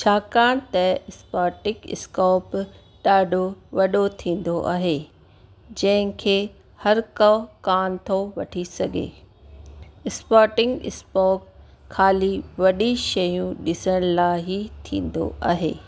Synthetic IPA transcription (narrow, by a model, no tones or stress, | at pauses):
t͡ɕʰaːkaːɽ̃t̪ɐɪspaːɾʈɪkɪ̰skɔːp | ɗaːɖʱoʋɐɗot̪ʰĩːnd̪oʔa̰ːɦeː | d͡ʑɐ̃ɦɪ̃kʰeː | hɐɾkɐkaːnt̪ʰoʋɐʈʰisɐɡʱḛː | ɪspaːɾʈɪ̃ŋɡɪ̰spɔːkʰː | aːliʋɐɗiʃɐjũɗɪsəɽ̃laːɦit̪ʰḭ̃ːn̆d̪o̰ʔaːɦḛː